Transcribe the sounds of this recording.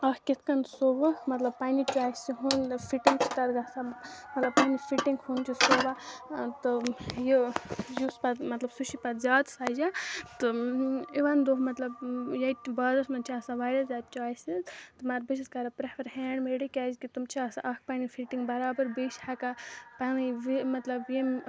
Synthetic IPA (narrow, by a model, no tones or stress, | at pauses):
ɐkʰkit̪ʰkɐnsobɨmɐt̪lɐb̚panit͡ʃaːjsiɦunpʰiʈiŋɡt͡ʃʰi̥t̪ɐɾɡasamɐt̪lɐbpanifʰiʈiŋɡhunt͡ʃisobat̪ɨjijuspɐt̪mɐt̪lɐbsuʃipɐt̪zʲaːd̪saːd͡ʒat̪ɨiʋand̪oːɦmɐt̪lɐbjɐt̪bɐːd̪ɐsmɐnt͡ʃʰiasaʋaːɾʲazʲaːd̪̚t͡ʃaːjsizt̪ɨmaɾbisʰiskɐɾapɾɐpɐɾɦɛːɳmeɽikʲaːzkit̪umt͡ʃʰiasa̰ʔɐk̚ʰpanifʰiʈiŋɡbɐɾaːbəɾbiʃhakapaniʋimɐt̪lɐbjem